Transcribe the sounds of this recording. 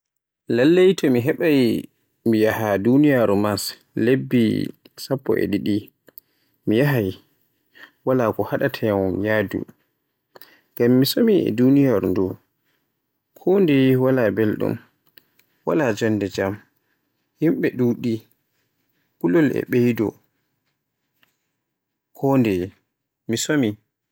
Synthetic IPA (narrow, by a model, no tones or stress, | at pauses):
lalːejtʰɔmiɦɛɓaj | mijahadunijaɾumas | lebːḭ | sapːɔ̰ʔḛɗiɗi | mijaɦaj | walakɔhaɗatʰɛjawɔnjaːdṵ | ɡamːisomiɛ̰dunijaɾundu | kʰɔndɛwalabɛlɗɔ̰n | wa̰lad͡ʒɔndɛd͡ʒam | himɓɛɗuɗi | kulɔlɛ̰ɓejdɔ | kʰɔndɛ | misomi